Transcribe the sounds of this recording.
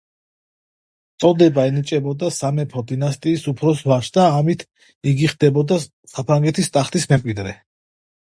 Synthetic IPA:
t̪sʼɔd̪ɛbaɛnit͡ʃʼɛbɔd̪asamɛpʰɔd̪inast̪ʼiːsupʰɾɔsvaʃd̪aːmit̪ʰ | iɡiχd̪ɛbɔd̪a | sapʰɾaŋɡɛt̪ʰist̪ʼaχt̪ʰismɛmkʼwid̪ɾɛ

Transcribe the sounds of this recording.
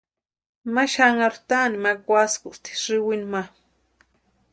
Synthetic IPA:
maʃaŋaɾt̪animakwaskust̪ʰi̥ɾiwinma

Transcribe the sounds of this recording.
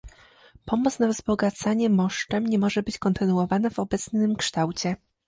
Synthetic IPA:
pɔmɔt̪snavzbɔɡat̪saɲɛmɔʂt͡ʂɛmɲɛmɔʐɛbɘt͡ɕkɔnt̪ɘnuwɔvanavɔbɛt̪snɘmkʂt̪awt͡ɕɛ

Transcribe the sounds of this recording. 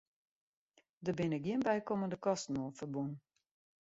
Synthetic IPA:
dəbɪnəɡiənbɛjkoməndəkɔstnoːlˠfərbun

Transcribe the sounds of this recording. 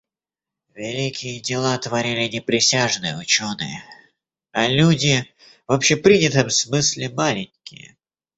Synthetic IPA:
vʲɪlʲikʲɪjədʲɪlˠat̪vɐɾʲilʲɪnʲɪpɾʲɪsʲaʐnɨjəʊt͡ɕonɨ̰jə | ɐlʲudʲɪ | vɐpɕepɾʲinʲɪt̪əmsmɨsʲlʲɪmalʲɪnʲkʲɪjə̰

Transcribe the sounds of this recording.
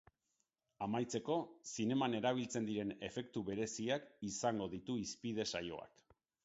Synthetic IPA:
amajt͡se̞ko̞sine̞mane̞ɾaβ̞ilt͡se̞nd̪iɾe̞ne̞fe̞kt̪uβe̞ɾe̞siakisaŋɡo̞ðit̪uispiðe̞sajo̞̰a̰k

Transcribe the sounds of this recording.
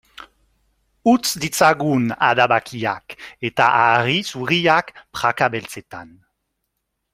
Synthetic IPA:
ut͡sd̪it͡saɣuna̰ðaβakia̰ket̪aʔarisuriakpɾakaβelt͡set̪a̰n

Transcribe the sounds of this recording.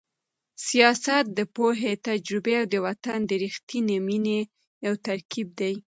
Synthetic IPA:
sijɑsat̪̚d̪əpoɦet̪ad͡ʒɾʊbeawd̪əwat̪and̪əɾixt̪inemine | jawt̪aɾkib̚d̪aj

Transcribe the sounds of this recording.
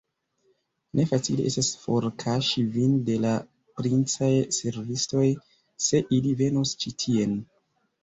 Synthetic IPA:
nʔe̞fat͡sileestasfo̞ɾkʰaʃivinde̞la | pɾint͡sajse̞ɾvisto̞j | se̞ʔilive̞nust͡ʃitʰie̞n

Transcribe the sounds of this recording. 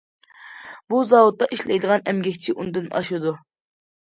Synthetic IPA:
buzɑwut̪ːɑʔiʃlɛjd̪əʁɑnɛmɡʲɛkʲt͡ʃʰiʔund̪ɨnɑ̰ʃud̪u

